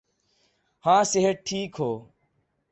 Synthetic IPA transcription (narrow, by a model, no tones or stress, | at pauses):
hãːseɦəʈ̚ʈʰːiːkɦoː